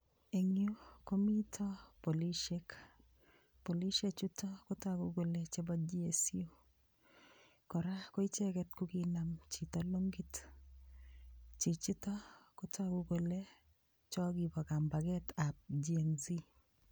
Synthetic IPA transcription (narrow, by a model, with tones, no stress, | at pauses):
e˨ŋjo˦ko˦mi˦tʰɔ˦po˨li˦ʃe˦k | po˨li˦ʃe˦t͡ʃu˦tɔ˦ko˦ta˦˨ɡu˦ɡo˨le˦t͡ʃe˦bɔd͡ʒi˦e˨si˦o˦ | kɔ˨ɾa˦ko˦i˦t͡ʃɛ˦kɛ˦tku˦ki˦na˨mt͡ʃi˨tɔlo˦ŋɡi˦t | t͡ʃi˨t͡ʃi˦tɔ˦kʊ˦tʰa˦˨ɡu˦ɡo˨le˦ | t͡ʃɔ˦ɡi˨bɔ˨ka˨mba˨ɡɛ˦ta˨p̚d͡ʒie˨nzi˦